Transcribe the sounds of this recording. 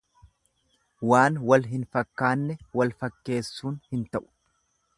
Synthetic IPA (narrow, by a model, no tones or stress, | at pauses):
waːnwɐlɦɪnfɐkːaːnːɛwɐlfɐkːe̞ːsːuːnhɪnt̪ɐʔʊ̥